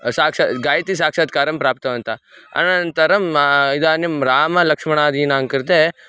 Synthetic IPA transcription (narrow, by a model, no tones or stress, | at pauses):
saːkʂɐɡaːjt̪is̬aːkʂɐd̪̚kaːɾɐmpɾaːp̚t̪ɐʋɐnt̪ʰa | ɐ̰nɐnt̪ɐɾɐmid̪aːnimɾaːmɐlɐkʂmɐɳ̃aːd̪iːnaːŋkɐɾd̪e